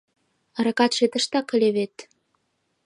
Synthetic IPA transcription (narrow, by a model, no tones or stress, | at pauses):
əɾɑkɑt̪ʃet̪ə̆ʃt̪ɑkːə̆lʲeβet̪